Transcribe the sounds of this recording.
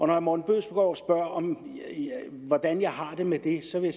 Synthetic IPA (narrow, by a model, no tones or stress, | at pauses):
ɒ̽nɒjamɒːn̩b̥øðsb̥eɡ̥ɒ̰ːɒsb̥ɶɐ̰ɒ̽m | ʋɒd̥ænjɑ̈ɪɦɑ̈d̥e̝med̥e̝sɒ̽ʋe̝ja